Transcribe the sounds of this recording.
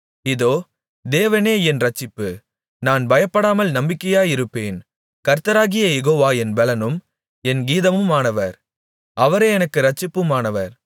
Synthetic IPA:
ɪðoː | d̪eːʋɐneːɛnɾɐt͡ʃːɪpːɯ | naːnbɐjɐpːɐɽaːmɐlnɐmbɪkːɐjaːjɪɾɯpːeːn | kɐɾt̪ːɐɾaːɣɪjɐjɛɣoːʋaːɛnbɛlɐnɯm | ɛnɡiːðɐmɯmaːnɐʋɐɾ | ʔɐʋɐɾeːɛnɐkːɯɾɐt͡ʃːɪpːɯmaːnɐʋɐɾ

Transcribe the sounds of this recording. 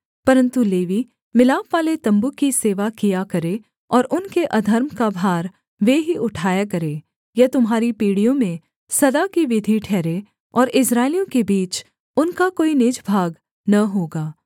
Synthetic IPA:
pɐɾə̃nt̪uleːʋi | mɪlaːpʋaːlet̪ɐ̃mbukiseːʋakijakɐɾe | ɔːɾʔʊnkeʔɐd̪ʱəɾmkabʱaːɾ | ʋeɦiʊʈʰaːjakɐɾeː | jɐt̪ʊmɦaːɾipiːɽijõmẽ | sɐd̪akiʋɪd̪ʱiʈʰɛːɾe | ɔːɾɪsɾaːɪlijõkebiːt͡ʃ | ʊnkakoːinɪd͡ʒbʱaːɡ | nɐɦoːɡaː

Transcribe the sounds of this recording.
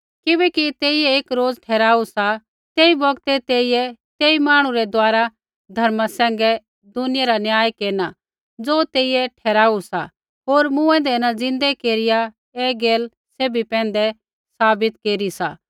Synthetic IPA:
kɪbɛkit̪eːɪjɛeːkɾoːd͡zʈʰɛːɾaːusa | t̪eːibɐɡt̪ɛt̪eːɪjɛt̪eːimaːɽ̃ũɾɛd̪aːɾa | d̪ʱɐɾmasɛ̃ːŋ̆ɡɛ | d̪ʊnɪjaɾanjaːjkeːna | d͡zoːt̪eːɪjɛʈʰɛːɾaːusa̰ | ɦoːɾmũɛ̃ːnd̪ɛnad͡zɪ̃nd̪ɛkeːɾɪja | eːɡeːl | seːbipɛ̃ːn̆d̪ɛ | saːbɪt̪keːɾisa̰ː

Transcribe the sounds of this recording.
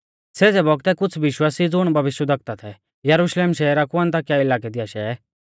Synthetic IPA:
seːd͡zɛbɔɡt̪ɛkʊt͡sʰʋɪʃwaːsid͡zʊɽ̃bʱɐʋɪʃjəd̪ɐk̚t̪at̪ʰɛ | jɐɾuʃleːmʃɛːɾakʊə̃nt̪̬akjaɪlaːkɛd̪ɪjaʃɛː

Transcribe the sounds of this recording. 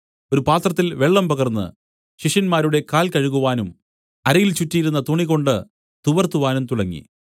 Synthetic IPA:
o̞ɾupaːt̪rɐt̪ːilʋe̞ɭːɐmpɐɣɐrnːɨ̰ | ɕiʂɐnmaːɾuɽe̞kaːlkɐɻuɣuʋaːnum | ɐɾɐjilt͡ɕutːijɾunːɐt̪uɳiɣo̞ɳɖɨ | t̪uʋɐrt̪ːuʋaːnumt̪uɽɐŋːḭ

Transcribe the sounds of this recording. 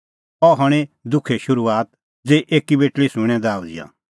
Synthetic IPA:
ɔɦɔɽ̃ed̪ʊkʰeʃʊɾuaːt̪̚ | d͡zeːʔeːkibeːʈlisʊ̃ɽ̃ɛ̃d̪aːud͡zɪ̰jã̰

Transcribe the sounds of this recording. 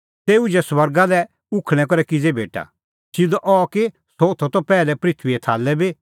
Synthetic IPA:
t̪eːud͡ʒɛswɐɾɡalɛ | ʊkʰɽ̃ɛ̃kɔɾɛkɪd͡zɛbʱeːʈa̰ | sɪd̪ʔɔke | soːt̪ʰɔt̪ɔpɛːlɛpɾɪt̪ʰʋiɛt̪ʰaːlːɛbi

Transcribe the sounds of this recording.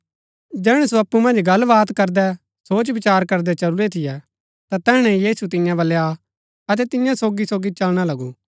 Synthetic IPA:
d͡ʒɛːɽ̃ɛsoɐpːumɐ̃nd͡ʒɡɐlːʋaːt̪kɐɾd̪ɛ | soːt͡ʃʋɪt͡ʃaːɾkɐɾd̪ɛt͡ʃɐɾuɾet̪ʰɪjɛ | t̪at̪ɛːɽ̃ɛ̃jiːsut̪̬ɪ̃jãbɐlːɛa | ɐt̪̬ɛt̪ɪjãsoːɡisoːɡit͡ʃɐlɽ̃alɐɡu

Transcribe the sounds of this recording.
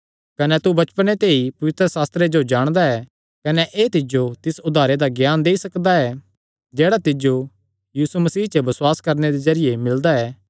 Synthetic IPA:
kɐnɛt̪ubɐt͡ʃpənet̪eːipɐʋɪt̪ɾəsaːst̪ɾed͡ʒod͡ʒaːɽ̃d̪aɛː | kɐnɛʔeːt̪ɪd͡ʒot̪ɪsʊd̪ʱaːɾed̪aɡjaːnd̪eːisɐkd̪aɛ | d͡ʒɛːɽat̪ɪd͡ʒo | jiːsumɐsiːɦt͡ʃəbɐswaːskɐɾned̪ezɐɾɪjemɪld̪aɛː

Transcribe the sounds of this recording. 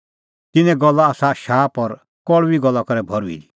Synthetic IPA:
t̪ɪnɛ̃ɡɔlːaːsaʃaːpɔɾ | kɔɭʋiɡɔlːakɔɾɛbʱɔɾuḭdi

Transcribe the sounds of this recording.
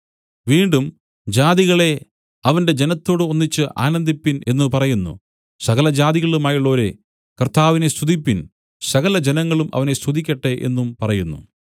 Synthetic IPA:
ʋiːɳɖum | d͡ʑaːðiɣɐɭe̞ | ɐʋɐnde̞d͡ʑe̞nɐt̪ːo̞ːɽɨo̞nːit͡ɕːɨʔa̰ːnɐnd̪ipːine̞nːɨpɐrɐjunːṵ | sɐɣɐlɐd͡ʑaːðiɣɐɭumaːjiɭːo̞ːɾe | kɐrt̪aːʋine̞st̪ʰuðipːin | sɐɣɐlɐd͡ʑe̞nɐŋːɐɭumʔɐ̰ʋɐne̞st̪ʰuðikʲːɐʈːe̞ʔe̞̰nːumpɐrɐjunːṵ

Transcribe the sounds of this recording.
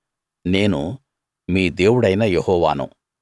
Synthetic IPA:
ne̞ːnṵ | miːd̪e̞ːwuɽɐjnɐjehɔːʋa̰ːnṵ

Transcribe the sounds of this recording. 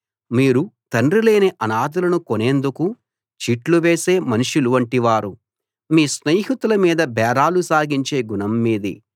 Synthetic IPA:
miːɾut̪ɐnrile̞ːneʔɐnaːd̪ulɐnukone̞ːnd̪uku | t͡ʃiːʈluʋe̞ːse̞ːmɐniʂiluʋɐɳʈiʋaːɾu | miːsnejɦit̪ulɐmiːd̪ɐbɛːɾaːlusaːɡiɲt͡ʃe̞ːɡunɐmːiːd̪ḭ

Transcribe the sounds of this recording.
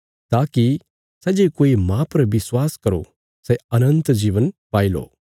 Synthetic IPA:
t̪aːki | sɛd͡ʒekoːimãpɐɾʋɪswaːskɐɾo̰ | sɛɐnə̃nt̪d͡ʒiːʋənpaːilo̰ː

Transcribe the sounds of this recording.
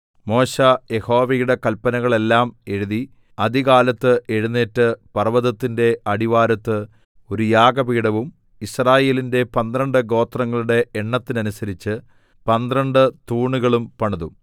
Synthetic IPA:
mo̞ːɕɐje̞ho̞ːʋejuɽe̞kɐlpːɐnɐɣɐɭe̞lːaːme̞ɻuði | ɐd̪iɣaːlɐt̪ːɨʔe̞ɻunːeːtːɨpɐrʋɐðɐt̪ːinde̞ʔɐɽiʋaːɾɐt̪ːɨ | o̞ɾujaːɡɐpiːɽɐʋum | israːje̞ːlinde̞pɐnd̪rɐɳɖɨɡo̞ːt̪rɐŋːɐɭuɽe̞ːɳːɐt̪ːinɐnusɐɾit͡ɕːɨ | pɐnd̪rɐɳɖɨt̪uːɳuɣɐɭumpɐɳɐðu

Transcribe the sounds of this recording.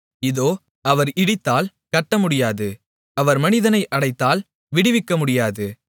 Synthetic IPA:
ɪðoː | ɐʋɐɾɪɽɪt̪ːaːl | kɐʈːɐmʊɽɪjaːðɯ | ɐʋɐɾmɐnɪðɐnɐɪʔɐɽɐɪt̪ːaːl | ʋɪɽɪʋɪkːɐmʊɽɪjaːðɯ

